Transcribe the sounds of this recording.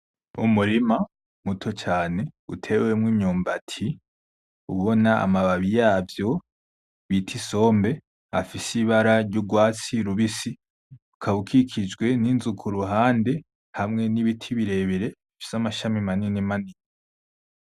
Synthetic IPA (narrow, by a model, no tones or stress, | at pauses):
umuɾima | mutʰo̞t͡ʃaːne̞utʰe̞wemŋiːɲɲuːmbatʰi | uβo̞naa̰maβaβijaːvjo̞ | βitʰiso̞ːmbe̞ | afisiβaɾaɾɟuɡwaːt͡siɾuβisi | ukʰaβukʰikʰid͡ʒɡwe̞ninzukʰuɾuɦaːnde̞ | hamŋe̞niβitʰiβiɾe̞βiɾe̞ifi̥samaʃamimaninimanini